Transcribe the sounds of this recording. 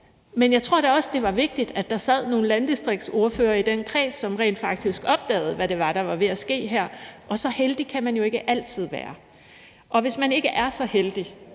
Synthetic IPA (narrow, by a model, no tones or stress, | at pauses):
menjɑ̈ɪt͡sʰʁo̝ɐ̰ɾ̥eɒ̽səd̥e̝ʋɑ̈ʋe̝ɡ̥̚d̥id̥æd̥ɑ̈sæð̞̰ˠno̝ːn̩lænd̥isd̥ʁiɡ̥̚so̝ɐføːɐid̥enkʰʁɛ̰ːsːɒ̽mʁɛ̰ːnd̥fɑ̈ɡ̥̚d̥isɡ̥ɒ̽b̥̚d̥ɛ̰ːð̩ˠʋæɾe̝ʋɑ̈ɾ̥ɑ̈ʋɑ̈ʋe̝æsɡ̥e̝̰ːɦæɐ̰ʔɒ̽sɒ̽held̥ikʰæmænjo̝e̝ɡ̥əʔæl̰t͡sʰið̞̰ˠʋæːɐ | ʔɒ̽ʋe̝smæne̝ɡ̥əʔæɐsɒ̽held̥i